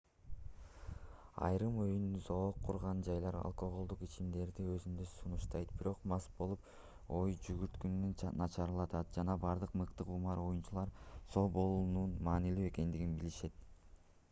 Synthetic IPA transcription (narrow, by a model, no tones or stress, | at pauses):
ɑ̰jɾɯmo̞jynynzo̞qʰːuɾʁɑnd͡ʒɑjlˠɑɾɑ̰lˠko̞ʁolˠd̪uqit͡ʃimd̪e̞ɾd̪iø̞zynd̪øsunuʃt̪ɑjt̪̚biɾo̞qmɑsbo̞lˠup | o̞jd͡ʒyɡyɾt̪kynynynnɑt͡ʃʰɑɾlˠɑt̪ɑt̪̚d͡ʒɑnɑbɑɾd̪ɯqmɯqt̪ɯqumɑɾo̞junt͡ʃulˠɑɾso̞bo̞lˠununmɑːnilyːe̞ke̞nd̪iɡinbiliʃe̞t̪